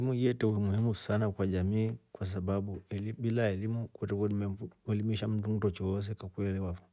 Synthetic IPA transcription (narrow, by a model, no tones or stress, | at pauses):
imujɛtɛuimuhimusanakwaʄamiːkwas̬aɓaɓuɛliɓilaɛlimukwɛtɛmɛlimiʃam̩tum̩tɔt͡ʃɔɔs̬ɛkwakwɛliwapɔ